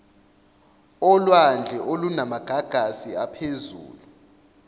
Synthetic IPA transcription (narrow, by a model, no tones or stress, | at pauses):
ɔlwand͡ɮʱɛʔolunamaɡ̥ʱaɡ̥ʱasiapʰezṵːlu